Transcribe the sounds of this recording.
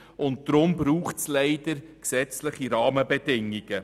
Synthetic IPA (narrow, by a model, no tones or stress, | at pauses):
ʊnt̚d̥ɾʊmbɾuːχtslɛɪdəɾksɛt͡slɪχiɾɑːməbɛdɪŋiɡ̥ə